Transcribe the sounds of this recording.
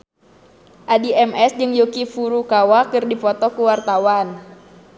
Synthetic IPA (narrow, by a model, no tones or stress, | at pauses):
ʔadiɛmɛsd͡ʒɨŋjokifuɾukawakɨrdipɔt̪ɔkuwart̪awan